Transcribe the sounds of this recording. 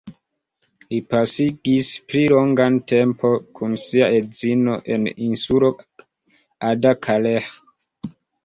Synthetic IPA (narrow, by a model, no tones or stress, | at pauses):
lipasiɡisplilo̞ŋɡante̞mpʰo̞kʰunsiaezino̞ʔe̞̰ninsulo̞ | adakʰale